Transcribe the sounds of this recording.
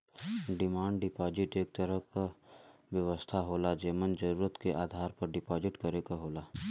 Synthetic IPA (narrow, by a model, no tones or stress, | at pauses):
ɖɪmaːɳɖɖɪpaːd͡ʒɪʈeːk̚t̪əɾəɦkaʋjɐʋəst̪ʰaɦoːlad͡ʒeːmənd͡ʒəɾuːɾət̪keʔaːd̪ʱaːɾpɐɾɖɪpaːd͡ʒɪʈkɐɾeːɡaɦoːlaː